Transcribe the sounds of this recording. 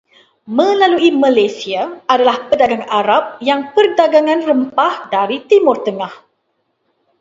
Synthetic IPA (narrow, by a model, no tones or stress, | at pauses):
mə̃laluimãlasiaʔadalahpədaɡaŋaɾap̚jaŋpərdaɡaŋãnrəmpahdaɾit̪imʊrt̪əŋah